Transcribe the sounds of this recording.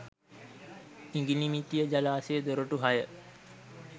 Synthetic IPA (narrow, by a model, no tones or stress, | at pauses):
iŋɡinimit̪ijəd͡ʒalaːsejːd̪oɾoʈuɦajə